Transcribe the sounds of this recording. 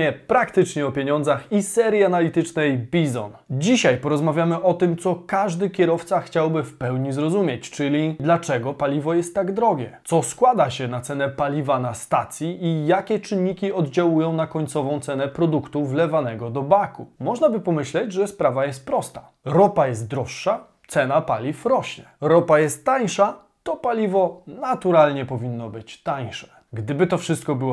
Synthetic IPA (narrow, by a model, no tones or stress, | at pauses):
ɛpɾakt̪ɘt͡ʂɲɛɔpʲjeɲɔnd̪zaxisɛɾjianalʲit̪ɘt͡ʂnɛjbʲizɔ̰nd͡ʑiɕajpɔɾɔzmavʲjamɘʔɔt̪ɘmt̪sɔkaʐd̪ɘkʲɛɾɔft̪saxt͡ɕawbɘfpɛwɲizɾɔzumʲjɛt͡ɕt͡ʂɘlʲid̪lat͡ʂɛɡɔpalʲivɔjɛst̪ːaɡd̪ɾɔɡʲɛ̰tsɔskwad̪aɕɛnat̪sɛnɛpalʲivanast̪at̪sʲjiʔijakʲɛt͡ʂɘnːikʲiɔd̪d͡ʑawujɔ̃w̃nakɔɲt̪sɔvɔ̃w̃t̪sɛnɛpɾɔd̪ukt̪uvlɛvanɛɡɔd̪ɔbakumɔʐnabɘpɔmɘɕlɛd͡ʑʐɛspɾavajɛst̪̚pɾɔst̪ḁ | ɾɔpajɛst̪̚d̪ɾɔʂːa | t̪sɛnapalʲifɾɔɕɲɛɾɔpajɛst̪ːaɲʂa | t̪ɔpalʲivɔnat̪uɾalɲɛpɔvʲinːɔbɘt͡ɕt̪aɲʂɛ̥ | ɡd̪ɘbɘt̪ɔfʂɘst̪̚kɔbɘwɔ